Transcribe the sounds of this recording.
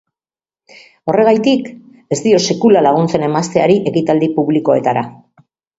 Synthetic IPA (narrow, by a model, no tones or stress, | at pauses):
o̞re̞ɣ̞ajt̪ik | e̞zt̪io̞se̞kulalaɣ̞unt͡se̞ne̞mast̪e̞aɾiʔe̞kit̪ald̪ipuβliko̞e̞t̪aɾa